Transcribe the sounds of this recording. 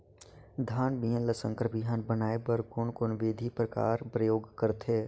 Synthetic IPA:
d̪ʱaːnbijə̃nləsə̃ŋkʰɾbɪɦaːnbənaːebəɾkʊnkonʋeːd̪ʱipɾəka̰ːɾpɾəjoːɡkəɾt̪ʰeː

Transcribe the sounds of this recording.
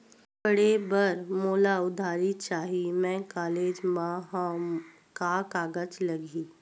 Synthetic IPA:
bəɽebəɾmoːlaʊd̪ʱaːɾit͡ʃaːɦimɛ̃ːkaːleːd͡ʒmaɦ | kakaːɡət͡ʃlɐɡiː

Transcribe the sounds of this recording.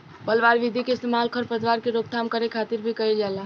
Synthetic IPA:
pəlʋaɾʋid̪ʱikest̪emalkʰəɾpɾəd̪ʋaɾkeɾoɡ̚t̪ʰamkəɾekʰat̪iɾbʱikəild͡ʒala

